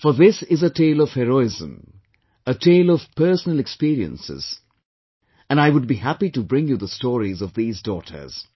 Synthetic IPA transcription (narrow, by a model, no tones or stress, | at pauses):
fə˞ðɪsɪzətʰeɪlɔv̥hɛɾoɪzə̰̃m | ətʰeɪlɔv̥pʰɜ˞sənəl̩ɛkspiɹiə̰̃nsɪ̰z̥ | ɨ̃naɪwʊd̚bihæpitubɹɪ̃ŋjuðəstɔɹizɔvðiːzdɔtʰə̰˞z̥